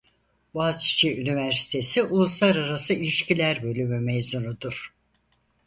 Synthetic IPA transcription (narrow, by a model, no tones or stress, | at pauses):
bazi̥t͡ʃʰiynivæɾsi̥t̪ʰe̞siʔulˠuslˠaɾaɾasɯilʲiʃcilʲæɾbø̞lʲymymejzunud̪uɾ̥